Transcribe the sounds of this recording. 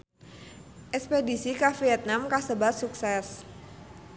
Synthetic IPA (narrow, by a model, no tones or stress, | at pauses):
ʔɛkspedisikafiɛt̪̚namkasəbat̪suksɛs